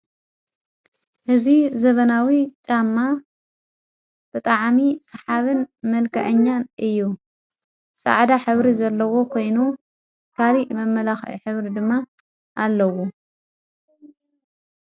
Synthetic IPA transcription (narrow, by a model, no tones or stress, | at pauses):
ʔɨzizɐβɐnawit͡ʃʼamːa | b̥ɨt̪ʼɐʕmisɐħaβɨnmɐlkʰɐʕɨɲːanʔɨjːu | sʼɐ̰ʕd̪aħɨβɾizɐlːɐwo̞kʰo̞jnu | kʰalimɐmːɐlaxʕḭħɨβɾid̪ɨmːa | ʔalːɐwu